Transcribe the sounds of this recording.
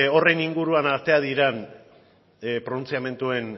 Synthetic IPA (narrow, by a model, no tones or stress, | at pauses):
o̞re̞niŋɡuɾuanaɾt̪e̞að̞iɾen | pɾonunt͡siame̞nt̪ue̞n